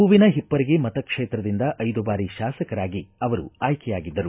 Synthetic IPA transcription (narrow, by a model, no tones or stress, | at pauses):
uʋinɐɦipːɐɾiɡemɐt̪ɐkʂeːt̪ɾɐd̪ind̪ɐʔɐjd̪ubaːɾiʃaːsɐkɐɾaːɡiɐʋɐɾṵaːjkɛjaːɡid̪ːɐɾu